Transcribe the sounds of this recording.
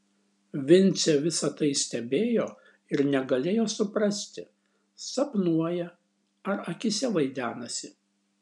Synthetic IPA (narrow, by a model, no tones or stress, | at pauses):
ʋʲɪnʲt̪sʲɛʋʲɪsɐt̪ɐɪsʲt̪ʲɛbʲeːjoː | ɪɾnʲɛɡɐlʲeːjoːsʊpɾɐsʲt̪ʲɪ | sɐpnuɔjɛ | ɐɾɐkʲɪsʲɛʋɐɪd̪ʲæːnɐsʲɪ